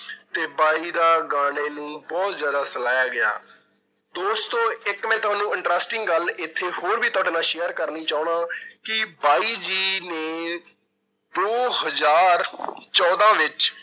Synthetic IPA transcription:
t̪eːbaːiːd̪aːɡaːɽ̃eːnũːbɔːt̪zjaːd̪aːsəlaːjaːɡɪja̰ː | d̪oːst̪õːɪkmɛ̃ːt̪ʊaːnũːɪ̃ɳʈɾaːsʈɪŋɡɡəlɪt̪ʰːeːhoːɾʋiːt̪ʊaːɖeːnãːʃeːəɾkəɾniːt͡ʃaːʊɳãːkɪbaːiːd͡ʒiːneː | d̪oːhəzaːɾt͡ʃɔːd̪ãːʋɪt͡ʃ

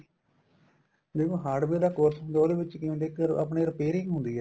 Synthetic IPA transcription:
d͡ʒeːkõːɦaːɖbeːd̪aːkoɾt̪ʰd̪oːɾeʋɪt͡ʃkɪõːleːkəɾa̰pɳeːɾəpeːɾɪ̃ɡɦʊ̃nd̪iːɦɛː

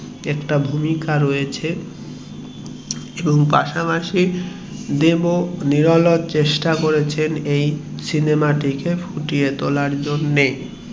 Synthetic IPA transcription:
ɛkʈabʱumikaɾojet͡ɕʰe | eboŋpa̰ʃapaʃi | d̪eboniɾɔlot̪t͡ɕeʃʈakoɾet͡ɕʰenejsinemaʈikefʰuʈijet̪olaɾd͡ʑonːe

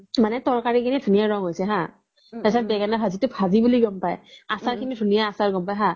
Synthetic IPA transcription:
manɛtɔɹkaɹikʰinidʱunijaɹɔŋɦojsɛɦã | asabɛɡanaɦazitʊpʰazibuliɡɔmpajasaɹkʰinidʱunijaasaɹɡɔmpajɦã

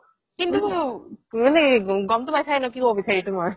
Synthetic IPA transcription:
kint̪u | neɡɔmt̪ubajtʰajnɔkikobisʰait̪uma

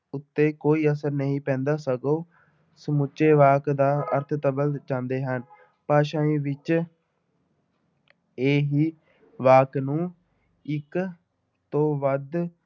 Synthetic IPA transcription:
ʊt̪ːeːkoːiːəsəɾnəɦĩːpɛ̃ːnd̪aːsəɡoː | səmʊt͡ʃːeːʋaːkd̪aːə̰ɾt̪ʰt̪əbəld͡ʒãːnd̪eːɦən | paːʃãːĩːʋɪt͡ʃ | eːɦiː | ʋaːknũː | ɪk | t̪oːʋəd̪

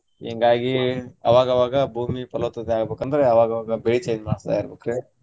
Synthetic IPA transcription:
ḛŋɡaːɡiɐ̰ʋaːɡɐʋaːɡɐbʱuːmipɐlɐt̪ːɐd̪eaːɡɐbeːkɐnd̪ɐɾeɐʋaːɡɐʋaːɡɐbeɭit͡ʃejnmaːɽst̪a̰ːjaːɾbokɾe

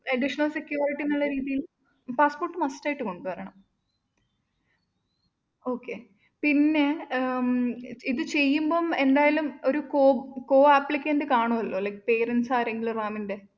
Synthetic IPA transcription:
ɐɖiʂɐɳɐlsekːjuːriʈːinːuɭːɐɾiːðijil | paːspo̞ːrʈːɨmɐstːaːjiʈːɨko̞ɳɖupɐɾɐɳɐm | o̞ːkʰːe̞ | pinːe̞ | iðɨt͡ɕe̞jːumboːme̞nd̪aːjɐlumo̞ɾukoːko̞ːaːpːlikʲːeːnd̪ɨkaːɳuʋɐlːo̞ːlɐkpe̞ːɾensaːɾeŋɡiluraːminde̞

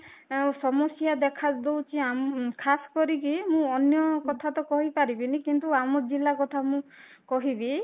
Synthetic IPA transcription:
sɔmɔsjad̪ɛkʰad̪owt͡ʃʰiamkʰasɔ̥kɔɾikimũɔnjɔkɔt̪ʰat̪ɔkɔɦipaɾibinikint̪uamɔd͡ʒilakɔt̪ʰamũkɔɦibi

